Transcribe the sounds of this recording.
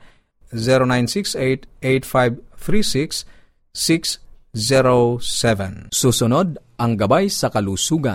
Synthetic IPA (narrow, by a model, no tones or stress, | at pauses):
zɛɾonajnsiksejt̪ejt̪fajbθɾisiksː | ikszɛɾosɛvɛnsusʊnod̪̚ʔɐŋɡɐbajsɐkɐlusuɡa̰